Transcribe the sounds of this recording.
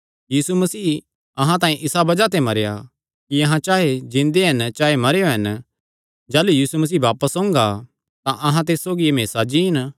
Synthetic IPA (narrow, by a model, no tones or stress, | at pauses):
jiːsumɐsiː | ɐɦãt̪̬ãːĩʔɪsabɐd͡ʒat̪̬emɐɾeja̰ | kiɐɦãt͡ʃaːɦed͡ʒɪ̃nd̪eɦɐnt͡ʃaːɦemɐɾejoɦɐn | d͡ʒaːlujiːsumɐs̬iːbaːpəsõːŋɡa | t̪ãʔɐɦãt̪eːssoːɡiemeːsad͡ʒiɦɪn